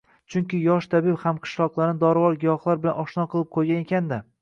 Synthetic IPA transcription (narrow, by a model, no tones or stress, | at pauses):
t͡ʃʰʊŋkʲɪjɒʃt̪ʰabɪphamqʰɨ̥ʃlˠɒqlˠaɾnɪd̪ɒɾvɒlˠɡʲɪjɒχlˠaɾbɪlanɒʃnɒqʰɨlˠɪp̚qʰojɡʲanekʲand̪a